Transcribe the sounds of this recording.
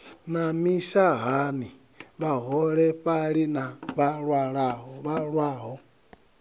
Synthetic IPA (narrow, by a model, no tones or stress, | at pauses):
namiʃaɦani | βaɦɔɾɛɸaɾinaβaɾwaɾaɦɔβaɾwaɦɔ